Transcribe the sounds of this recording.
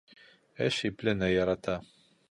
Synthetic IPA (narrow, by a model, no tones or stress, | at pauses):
ɘʃiplɘ̆nɘjɑɾɑt̪ɑ